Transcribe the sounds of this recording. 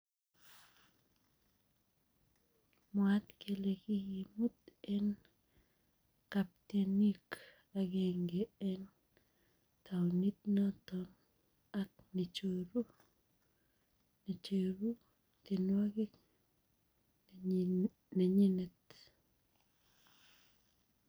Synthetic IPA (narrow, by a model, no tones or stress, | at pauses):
mwat̪kelekijimut̪en | kap̚t̪enik | aɡeŋɡeɛn | taonit̪̚nɔt̪ɔn | ak̚nit͡ʃoɾu | net͡ʃeɾu | t̪enwaɡik | naɲinet̪